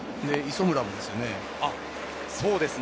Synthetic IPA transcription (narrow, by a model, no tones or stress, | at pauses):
d̪e̞iso̞mɯ̟ɾabɯd̪e̞sɨjo̞ne̞ | a | so̞ːd̪e̞sɨ